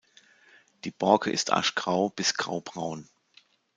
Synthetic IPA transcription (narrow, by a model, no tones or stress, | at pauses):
d̥iːb̥ɔɐkʰəʔɪ̰stʔa̰ʃɡ̥ʁaʊb̥ɪsɡ̥ʁ̥a̰ʊbʁaʊn